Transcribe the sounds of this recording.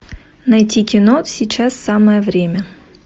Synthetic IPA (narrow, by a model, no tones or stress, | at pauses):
nɐjtʲikʲinɔsʲit͡ɕasːɑmɛjɛʋɾʲemʲɐ